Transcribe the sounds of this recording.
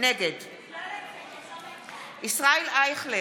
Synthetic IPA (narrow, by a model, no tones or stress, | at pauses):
nɛɡed̪ | isʁaelajχle